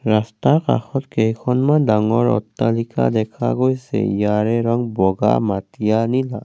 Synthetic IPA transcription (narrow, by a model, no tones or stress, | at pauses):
ɹastaka̰xɔtkejkʰɔnmandaŋɔɹɔ̰tːalika̰dɛkʰa̰ɡojsɛ̰ijaɹɛɹɔŋbɔɡa̰matijanila